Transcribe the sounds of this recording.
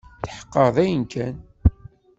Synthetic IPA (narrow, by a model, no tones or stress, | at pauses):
θħə̥qːəðˤæjənkʰæn